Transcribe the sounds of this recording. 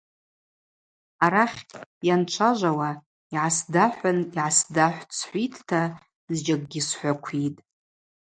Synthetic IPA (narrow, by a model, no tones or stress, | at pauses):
aɾaχʲjanʈ͡ʂʷʰaʒʷawa | iʕasdaħʷaniʕasdaħʷt͡sʰħʷitʰtʰa | zd͡ʒaɡ̚ʼɡʲisħʷakʷʰitʼ